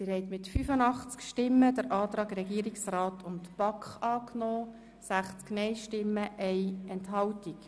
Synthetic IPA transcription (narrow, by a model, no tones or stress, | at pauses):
sɪhɛɪtmɪtfyfənɑχt͡skʃtɪmːəd̥̪əɾʔɑːt̪ɾɑːɡɾɛɡiːəɾiksraːtʰʊntb̥ɑkχɑːknɔː | sæχt͡sknɛɪʃtɪmːəʔɛɪɛntɦɑwtik